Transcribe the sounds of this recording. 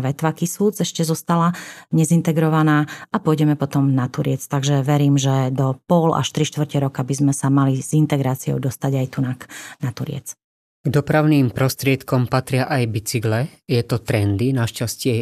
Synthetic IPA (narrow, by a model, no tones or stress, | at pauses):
ʋɛt̪ʋakisuːd͡zɛʃcɛzɔst̪alaɲɛzint̪ɛɡɾɔʋanaːʔapʊɔjɟɛmɛpɔt̪ɔmnat̪uɾɪɛt͡st̪aɡʒɛʋɛɾiːmʒɛd̪ɔpɔla̰ʃt̪ɾiʃt̪ʋr̩cɛɾɔkabizmɛsamalizint̪ɛɡɾaːt͡siɔ̰ʊd̪ɔst̪aɟajt̪unaknat̪uɾɪɛ̰t͡s | ɡd̪ɔpɾaʊniːmpɾɔst̪ɾɪɛt̪kɔmpat̪ɾɪaʔajbit͡siɡlɛjɛt̪ɔt̪ɾɛnd̪inaʃcascɪɛ